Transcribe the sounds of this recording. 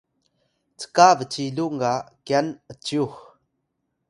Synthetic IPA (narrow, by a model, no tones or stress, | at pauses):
t͡sə̥kavət͡siluʔŋakɛnət͡suh